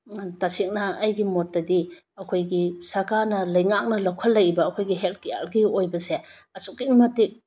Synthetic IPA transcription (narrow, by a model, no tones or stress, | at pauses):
tasik̚nɐːjɡimotːɐdi | ɐkʰojɡisɐɾkaɾnɐlɐjŋak̚nɐlawkʰɐlːɐjibɐːkʰojɡiɦelkia̰lɡiojbɐse | ɐsukːimɐtik̚